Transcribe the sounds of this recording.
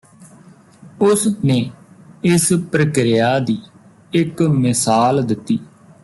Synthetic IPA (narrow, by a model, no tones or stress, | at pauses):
ʊsnẽː | ɪspɾəkɾɪjaːd̪iː | ɪkmɪsaːld̪ɪt̪ːiː